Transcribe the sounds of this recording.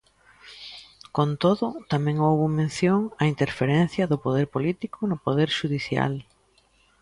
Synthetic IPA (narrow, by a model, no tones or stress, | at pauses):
kont̪oðʊt̪amɛ̃ŋowβʊmẽnθjoŋɐint̪eɾfeɾɛn̟θjɐðʊpoðeɾpolit̪ikʊnʊpoðeɾʃuðiθja̰l